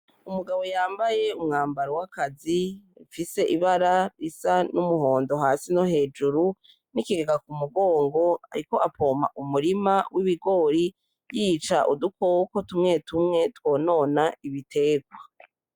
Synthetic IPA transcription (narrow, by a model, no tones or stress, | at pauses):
umuɡaβo̞jaːmbaje̞umŋaːmbaɾowakaziufise̞ʔiβaɾaɾisanumuho̞ːndo̞ɦaːsinohe̞ːd͡ʒuɾu | nikiɡeɡakumuɡo̞ːŋɡo̞a̰ɾiko̞ʔapʰo̞ːmaʔumuɾimawʔiβiɡo̞ːɾi | jit͡ʃa̰ʔudukokotumŋe̞tumŋe̞two̞ːno̞ːnaiβitʰe̞ːɡwa